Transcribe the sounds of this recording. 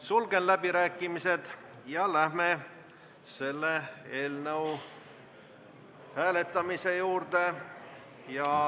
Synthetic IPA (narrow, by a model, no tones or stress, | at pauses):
sulɡ̥e̞nlæb̥iɾæːkːˑimise̞d̪̥ | jɑlæhme̞ | se̞lːee̞ːlnəw | hæːle̞t̪ːˑɑmise̞juːrd̪e̞ | jɑ